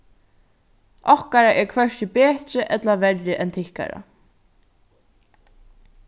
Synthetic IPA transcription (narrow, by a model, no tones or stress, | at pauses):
ɔhkaɾaʔɛɹkʰvɛʂcɪpeːht͡ʃɪʔɛt̪lavɛɾjɪʔɛnt̪ʰɪhka̰ɾa̰